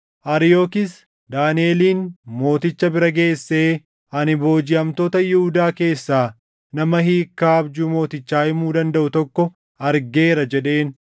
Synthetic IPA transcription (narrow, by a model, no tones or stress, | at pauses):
ʔɐɾɪjoːkɪs | d̪aːnɪe̞ːliːnmo̞ːt̪ɪt͡ʃːɐbɪɾɐɡe̞ːsːe̞ː | ʔɐnɪbo̞ːd͡ʒɪɐmt̪oːt̪ɐjɪhʊd̪aːke̞ːsːaː | nɐmɐɦiːkːaːɐbd͡ʒuːmo̞ːt̪ɪt͡ʃːaːʔɪmuːd̪ɐnd̪ɐʔʊt̪ɔkːɔ | ɐɾɡe̞ːɾɐd͡ʒɛᶑe̞ːn